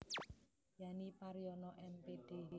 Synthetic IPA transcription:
janipaɾijɔnɔʔɛmped̥e

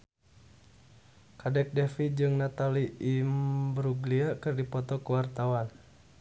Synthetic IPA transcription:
kadɛk̚dɛfid͡ʒɨŋnat̪aliimbɾuɡliakɨrdipɔt̪ɔkəwart̪awan

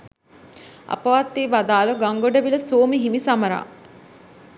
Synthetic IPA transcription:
ɐ̰pɐʋat̪ːiːʋad̪aːlɐɡaŋɡoɖɐʋiləsoːmiɦimisamɐɾa̰ː

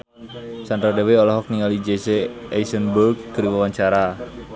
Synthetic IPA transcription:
sand̪ɾadeweɔlɔɦɔk̚niŋalid͡ʒeseajsənbərɡ̚kəɾiwawaɲt͡ʃaɾa

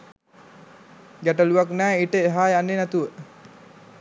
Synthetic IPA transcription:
ɡaʈəluaknæːiʈəeɦaːjanːenæt̪uʋə

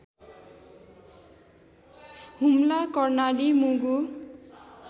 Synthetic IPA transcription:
humlakʌrnalimuɡu

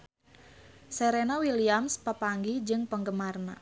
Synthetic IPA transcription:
seɾenawiliamspəpaŋɡid͡ʒɨŋpəŋɡəmarna̰

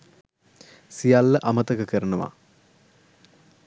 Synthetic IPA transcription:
sijalːɐʔɐmɐt̪ɐkɨkɐrɐnɐʋa̰

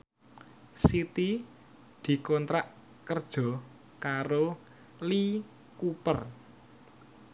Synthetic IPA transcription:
sit̪i | d̪̥i̤kɔnt̪ɾaʔ | kərd̥ʒ̥ɔ̤ | kaɾo | li | kupər

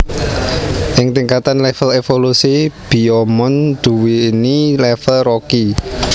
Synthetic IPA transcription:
ʔɪŋt̪iŋkat̪anlɛfəlefolusib̥i̤ɔmɔnd̪̥ṳwiːnilɛfəlroki

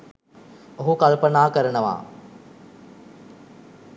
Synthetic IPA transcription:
oɦukalpənaːkəɾənəʋa̰ː

